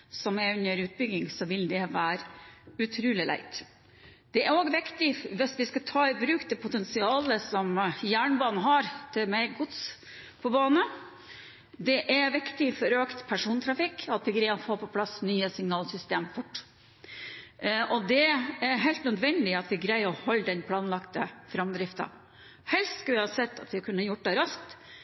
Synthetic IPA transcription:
sɔmæʉnːəɾʉːt̪̚bʏɡɪŋsɔʋɪld̪ɛʋæːɾʉt̪ʰɾʉːlɪlæ̰ɪt̪ | d̪̥ɛæɾoːɡʋɪkt̪ɪʋɪsʋɪskɑt̪ʰɑːɪbɾʉːkd̪ɛpʰʊt̪ɛnsɪɑːləsɔmjæːɳbɑːnn̩ɦɑɾt̪ʰɪlmæɪɡʊt̪s | pʰɔbɑːnə | d̪ɛʔæʋɪkt̪ɪfɔɾøːkt̪pʰæʂuːnt̪ʰɾɑfɪkːɑt̪ʋɪɡɾæɪɔfoːpɔpʰlɑsnyːəsɪŋnɑːlsʏst̪eːmfʊʈː | ɔd̪ɛæɾɦæɪlt̪nœd̪ʋɛnd̪ɪɑt̪ʋɪɡɾæɪɔhɔld̪ɛnpʰlɑːnlɑkt̪əfɾɑmd̪ɾɪft̪ɑ̰ | hɛlst̪skɑʋɪhɑːsɛt̪ːɑt̪ʋɪkʰʉnːəɑjʊʈ̚ːd̪ɛɾɑsk̚t̪

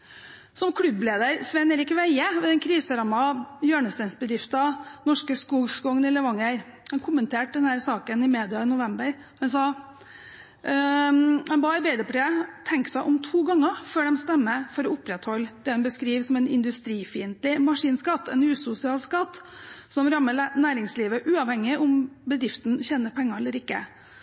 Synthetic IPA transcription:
sɔmkʰɽʉbleːd̪əɾsʋɛneːɾɪkʋæɪəʋɛd̪ɛnkʰɾiːsəɾɑmːɑjøːɳəst̪ænsbəd̪ɾɪft̪ɑnɔʂkəskuːɡskɔŋnələʋɑŋəɾhɑnkʰʊmːənt̪ʰeːʈ̚d̪ɛnhæːɾsɑːkənɪmeːd̪ɪɑɪnʊʋɛmbəɾhʉnsɑ | hɑnbɑɾbeːd̪əpʰɔʈ̪ʰɾeːt̪ʰɛŋksæɪʔɔmt̪ʰuːɡɑŋːəføːɖɛmst̪ɛmːəfɔɾɔʊpɾɛt̪hɔld̪̥ɛːhɛnbəskɾiːʋsɔmɛnɪ̰nd̪ʉst̪ɾiːfiːənt̪lɪmɑʂiːnskɑt̪ːɛnʉːsʊsɪɑːlskɑt̪ːsɔmɾɑmːənæːɾɪŋsliːʋəʔʉːɑʋhɛŋːɪʔʊmbəd̪ɾɪft̪n̩çeːnəɾpʰɛŋːɑɛlːəɾɪkːə̰

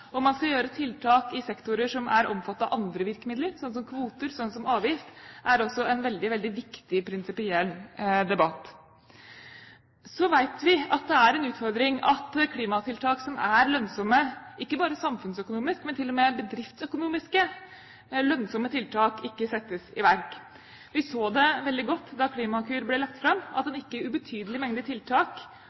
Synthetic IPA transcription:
ɔmɑnskɑjøːɾət̪ʰɪlt̪ʰɑːkɪsɛkt̪ʊɾəʂɔmʔæɾʔɔmfɑt̪ːɑʔɑnd̪ɾəʋɪɾkəmɪd̪ləɾsɔnːəsɔmkʰʋuːt̪əɾsɔnːəsɔmɑːʋjɪft̪ʔæɾɔsːɔɛnʋɛld̪ɪʋɛld̪ɪʋɪkt̪ɪpʰɾɪnsɪpɪɛlːd̪ɛbɑt̪ː | sɔʋæɪt̪ʋɪɑt̪̚d̪ɛæɾɛnʉːt̪fɔɾd̪ɾɪŋɑ̰t̪kʰliːmɑt̪ʰɪlt̪ʰɑːksɔmæɾlœnsɔmːəɪkːəbɑːɾəsɑmfʉnsœkʊnuːmɪskmɛnt̪ʰɪlːɔmebəd̪ɾɪft̪sœkʊnuːmɪskə | lœnsɔmːət̪ʰɪlt̪ʰɑːkɪkːəsɛt̪ːəsɪ̰ʋæɾk | ʋɪsoːd̪ɛʋɛld̪ɪɡɔt̪ːd̪ɑkʰliːmɑkʰʉːɾblɛlɑk̚t̪fɾɑmːɑt̪̚d̪ɛnɪkːəʉbət̪ʰyːd̪əlɪmɛŋd̪ət̪ʰɪlt̪ʰɑːk

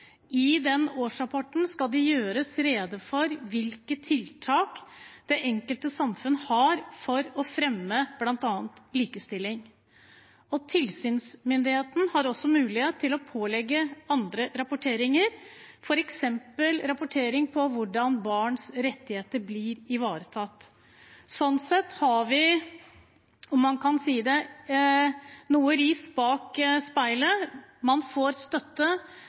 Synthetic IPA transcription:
ɪd̪ɛnoːʂɾɑpʰɔʈn̩skɑld̪ɛjøːɾəsɾeːd̪əfɔɾʋɪlkət̪ʰɪlt̪ʰɑːkd̪̥ɛʔɛŋkəlt̪əsɑmfʉnːəhɑɾfɔɾɔfɾɛmːəb̥lɑnt̪ɑːnt̪liːkəst̪ɪlːɪŋ | ɔt̪ʰɪlsyːnsmʏnd̪ɪheːt̪n̩hɑɾɔsːɔmʉːlɪheːt̪ʰːɪlɔpʰoːlɛɡːəɑnd̪ɾəɾɑpʊʈʰeːɾɪŋəɾfɔɾɛksɛmpəlɾɑpʊʈʰeːɾɪŋpʰɔʋʊɖɑnbɑːɳsɾɛt̪ːɪheːt̪əɾblɪɾɪʋɑːɾət̪ʰɑt̪ː | sɔnsɛt̪ːhɑʋɪ | ɔmːɑnkʰɑnsiːd̪ɛ | nuːəɾiːsbɑːkspæɪləmɑnfoːɾst̪œt̪ːə

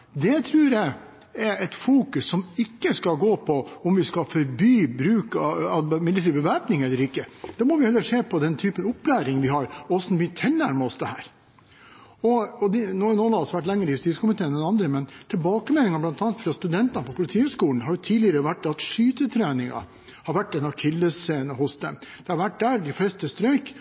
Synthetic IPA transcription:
d̪ɛt̪ʰɾʉːɾjæɪ | ɛɾɛt̪fuːkʉsːɔmɪkːəskɑɡoːpʰɔɔmʋɪskɑfɔɾbyːbɾʉːkɑɑmɪlːət̪ʰiːɾbəʋæːpnɪŋɛlːəɾɪkːəd̪̥ɑmɔʋɪhɛlːəʂeːpʰɔd̪ɛnt̪ʰyːpənʊpːlæːɾɪŋʋɪhɑɾɔɔsnmyːət̪ʰɛlnæɾməɔsd̪ɛhæːɾ | ɔɔd̪ɛnoːnoːnɑɑsɔʋæʈ̬ːlɛŋːəɾɪjʉst̪iːskʊmɪt̪eːɛnɛnɑnd̪ɾəmɛnt̪ʰɪlbɑːkəmɛlnɪŋɑblɑnt̪ɑnət̪fɾɑst̪ʉd̪ɛnt̪ənpʰɔpʰʊlɪt̪ʰiːʉskuːln̩ɦɑɾjʊt̪ʰiːlɪəɾəʋæʈːɑt̪ʂyːt̪ət̪ʰɾæːnɪŋɑ̰ | hɑɾʋæʈːɛnɑkʰɪlːəsseːnəhʊsd̪ɛ̰md̪̥ɛhɑɾʋæʈ̚d̪æːɾd̪ɪflɛst̪əst̪ɾœʏk

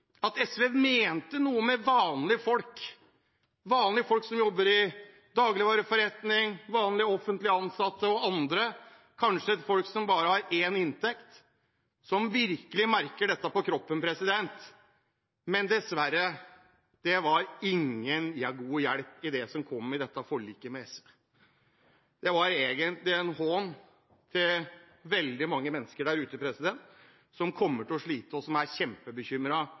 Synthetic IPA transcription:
ɑt̪ɛsʋɛɛmeːnt̪ənuːəmɛʋɑːnlɪfɔlk | ʋɑːnlɪəfɔlksɔmjɔbːəɾɪ | d̪ɑːɡlɪʋɑːɾəfɔɾɛt̪nɪŋʋɑːnlɪɔfənt̪lɪəɑnsɑt̪ːəɔɑnd̪ɾə | kʰɑnʂəfɔlksɔmbɑːɾəhɑɾeːnɪnt̪ɛkt̪ | sɔmʋɪɾkəlɪmæɾkəɖɛt̪ːəpɔkʰɾɔpːənpʰɾɛsɪd̪ɛnt̪ | mɛnd̪ɛsʋæɾːə | d̪̥ɛʋɑɾɪŋːənjæɡuːjæɽpɪd̪ɛsɔmkʰɔmːɪd̪ɛt̪ːɑfɔɭiːkəmɛɛsʋe | d̪̥ɛʋɑɾeːɡənt̪lɪɛnhɔn | t̪ʰɪl | ʋɛld̪ɪmɑŋːəmɛnːəskəɖæɾʉːt̪əpʰɾɛsɪd̪ɛnt̪ | sɔmkʰɔmːəʈɪlɔʂɭiːt̪əɔsɔmæɾçɛmpəbəçʏmːɾɑ

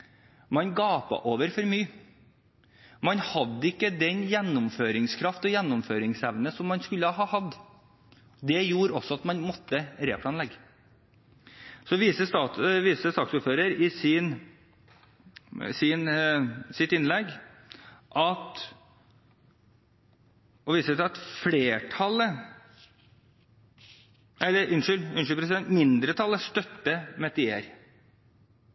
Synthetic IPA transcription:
mɑnɡɑːpɑ̰ʔoːʋəɾfɔɾmyː | mɑnhɑd̪ːəɪkːəd̪ɛnjɛnːʊmføːɾɪŋskʰɾɑft̪ɔjɛnːʊmføːɾɪŋsɛʋnəsɔmːɑnskʉlːəɦɑːhɑd̪ː | d̪ɛjuːɾɔsːɔɑt̪mɑnmɔt̪ːəɾḛːpʰlɑːnlɛɡː | sɔʋiːsəst̪ɑːtʋiːsəst̪ɑːk̪suːɾføːɾəɾɪsɪn | sɪnsɪt̪ːɪnlɛɡ | ʔɑt̪ | ɔʋiːsət̪ʰɛɑt̪fleːʈʰɑlə | ʔɛlːəɾʏnʂʏlʏnʂʏlpʰɾɛs̬ɪd̪ɛnt̪mɪnd̪ɾət̪ʰɑlːəst̪œt̪ːəmɛt̪ɪeːɾ

